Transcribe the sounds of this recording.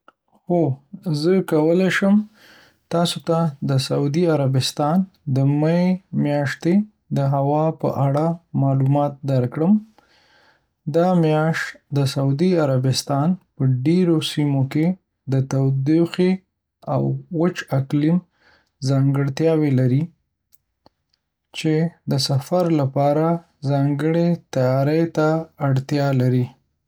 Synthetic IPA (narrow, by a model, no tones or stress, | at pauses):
xozəkawəleʃəm | t̪ɑsot̪ad̪əsaud̪iaɾabɪst̪ɑnd̪əmaemjɑʃt̪e | d̪əɦawɑpə̰ʔaɽamɑlumɑt̪̚d̪aɾkɽəm | d̪ɑmjɑʃt̪d̪əsaud̪iaɾabɪst̪ɑnpəɖeɾosimoke | d̪ət̪awd̪ixe | a̰wːət͡ʃaklim | zɑŋɡəɽt̪jɑwelaɾi | t͡ʃed̪əsafaɾlapɑɾa | zɑŋɡəɽet̪ajɑɾəjt̪aːɽt̪jɑlaɾi